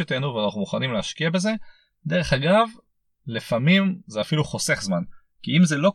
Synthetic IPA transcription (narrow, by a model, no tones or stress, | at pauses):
ot̪enuveanaχnumuχanimleaʃkiabe̞ze̞ | d̪e̞ʁe̞χaɡav | lifamimzeafiluχose̞χzman | kiimzelo̞